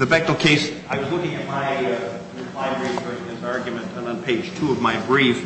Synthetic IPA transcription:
ðɨbɛk̚tl̩ˠkʰeɪs | aɪwʌzlʊkɪ̃ŋɨt̚maɪ | ɹɨpʰl̥aɪɡɹiftɔɾɪ̃ŋðɨzɑɹɡjɨmɨ̃ntə̃nə̃npʰeɪd̥d͡ʒ̥tʰuʌvmaɪɡɹif

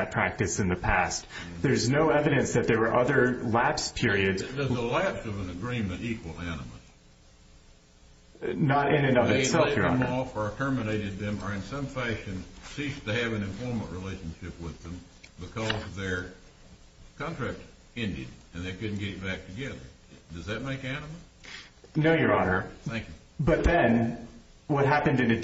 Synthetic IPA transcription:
ɨt̚pʰɹ̥æk̚tɨsɨ̃nðɨpʰæst | ðə˞znoʊɛvɨɾɨ̃nsðɨt̪̚ðə˞wə˞ʔʌðə˞læpspʰɪɹiɨdzʌzðəlæpsʌvə̃nɨɡɹĩmɨ̃nɾtikwl̩ˠænəm̰s | nəɾɪ̃nɨ̃nʌvɨtsɛlˠfjə˞ɑ̰mɔfə˞tʰɜ˞mɨneɪɾɨd̪̚ðɨ̃mə˞ɨ̃nsʌ̃ɱfæʃɨ̃nsistɨɨvɨ̃nɨ̃ɱfɔɹmə̃nʔɹileɪʃɨ̃nʃɪpwɪðɨ̃m | bɨkʰʌzðə˞ | kʰɑ̃ntʰɹ̥æk̚t | ɛ̃ndɪ̰dɨ̃nðeɪkʰʊdⁿn̩ɡɛɾɨt̚b̥æk̚tʰɨɡɛðə̰˞ | dʌzðɨt̚meɪkænəmə̥ | noʊjə˞ɑnə˞θæ̃ŋkjʉ | bʌt̪̚ðɨ̃n | wʌt̚ɦæpɨ̃ndɨ̃nɨ

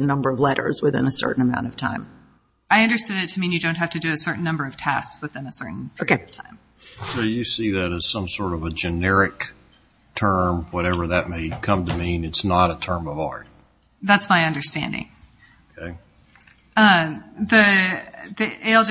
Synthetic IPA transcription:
nʌ̃mbə˞ʌvlɛɾə̰˞zwɨθɪ̰̃nəsɜ̰˞ʔn̩ɨmãʊ̃ntʌv̥tʰã̰ɪ̃m | aɪʌ̃ndə˞stæ̃nɨtʰɨmĩnjɨdõʊ̃nt̚ɦæftɨdɨːsɜ˞ʔn̩nʌ̃mbə˞ʌv̥tʰæ̰skswɨθɪ̃nɨsɜ˞ʔn̩oʊkeɪtʰãɪ̃m | soʊjɨsiðɨɾɨz̥sʌ̃msɔɹɾʌvəd͡ʒɨnɛɹɨk̚ | tʰɜ̃˞mwʌɾɛvə˞ðɨt̚meɪkʰʌ̃mtɨmĩnɨtsnəɾətʰɜ̃˞mʌvɑɹt̚ | ðætsmaɪʌ̃ndə˞stæ̰̃ndɪ̰̃ŋ | okʰeɪ | ʌði | ðiʔeɪlˠd͡ʒ

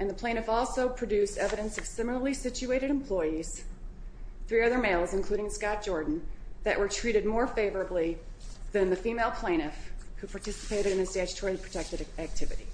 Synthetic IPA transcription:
ɨ̃nðəpʰl̥ẽɪ̃ñɨfɔlˠsoʊpʰɹ̥ɨdʉstɛvɨɾɨ̃nsʌv̥sɪ̃ml̩ˠə˞lˠisɪt͡ʃʉeɪɾɨɾɨ̃mpʰl̥ɔɪiz̥ | θɹiʌðə˞meɪlˠzɨ̃nkʰl̥ʉɾɪ̃ŋskɑt̚d̥ʒ̥ɔɹdⁿn̩ðɨ̰ʔwʔə˞tʰɹ̥iɾɨd̚mɔɹfeɪvə˞ɨbliðɨ̃nðɨfimeɪlˠpʰl̥ẽɪ̃ɾ̃ɨfhupʰɑɹtɪsə̥pʰeɪɾɨɾɨ̃nɨstæd͡ʒtʰɔɹlˠipʰɹ̥ɨtʰɛk̚tɨɾæk̚tʰɪvɨ̰ɾḭ

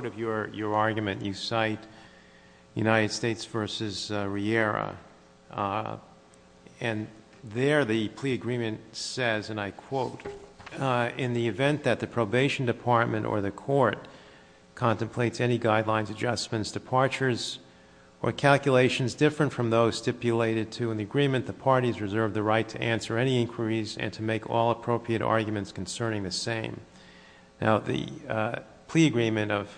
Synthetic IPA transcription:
ɾʌvjə˞jə˞ɑɹɡjɨmɨ̃nʔjʔɨsaɪt | jʉ̰naɪɾɨd̥steɪtsv̥ɜ˞sɨz̥ɹiɛɹə̰ | ɨ̃n | ðə˞ðɨpʰl̥iɨɡɹĩmɨ̃ntsɛzɨ̃naɪkʰw̥oʊɾ | ɪ̃nðiɨvɛ̃nðɨt̪̚ðɨpʰɹ̥oʊbeɪʃn̩dɨpʰɑɹt̚mɨ̃ñʔə̰˞ðɨkʰɔɹt̚ | kʰɑ̃ntɨ̃m̩pʰl̥eɪtsɛniɡaɪdˡlãɪ̃nzɨd͡ʒʌstmɨ̃ntsd̥ɨpʰɑɹt͡ʃə˞z | ə̰˞kʰælˠkjɨleɪʃn̩zdɪfɹɨ̃ntfɹʌ̃mðoʊz̥stɪpjɨleɪɾɨd̚tʰɨɨ̃nðiɨɡɹĩmɨ̃nðɨpʰɑɹɾizɹɨzɜ˞vðɨɹaɪtʰɨʔæ̃nsə˞ɛniɪ̃nkʰwə˞izɨ̰̃ntʰɨmeɪkʰɔ̰lˠəpʰɹ̥oʊpʰɹiɨɾɑ̰ɹɡjmɨ̃ntskʰn̩sɜ̃˞nɪ̃ŋðɨsẽɪ̃m | na̰ʊðɨ̰ | pʰl̥iɨɡɹĩmɨ̃ñtʌv̥

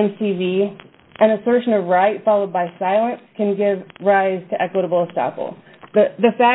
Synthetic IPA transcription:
nsivi | ʔɨ̃ñɨsɜ˞ʃɨ̃nʌvɹaɪtfɑlˠoʊd̚baɪsaɪlˠə̃nskʰɨ̃nɡɪvɹaɪz̥tʰɨʔɛkwəɾəbl̩ˠəstɑ̰pl̩ˠ | ðɨðɨfæ

